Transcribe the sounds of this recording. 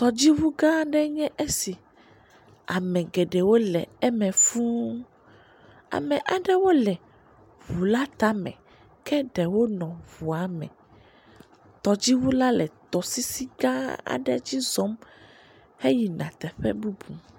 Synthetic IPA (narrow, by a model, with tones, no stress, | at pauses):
t̪ɔ˨d͡ʑi˦wu˦ɡã˦ɖɛ˦ɲɛ̃˦ʔe˦si˨ | a˨mɛ̃˨ɡɛ˨ɖɛ˨wo˦lɛ̰˨ɛ˦mɛ̃˨fũ˦ | a̰˨mɛ̃˨ʔa˨ɖɛ˦wo˦lɛ˨ | vu˨la˦t̪a˦mɛ̰̃˨ | kɛ˦ɖɛ˨wo˦nɔ̃˨vu˨a˨mɛ̰̃˨ | t̪ɔ˨d͡ʑi˦wu˦la˦lɛ˨t̪ɔ˨si˦si˦ɡã˦a̰˨ɖɛ˦d͡ʑi˦zɔ˦m | he˦ji˨nã̰˨t̪ɛ˨ɸɛ̰˦bu˦bu˨